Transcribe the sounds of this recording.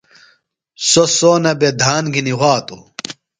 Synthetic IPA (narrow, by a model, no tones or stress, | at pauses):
sosoːnɐbed̪ʱaːnɡiniwaːt̪ṵ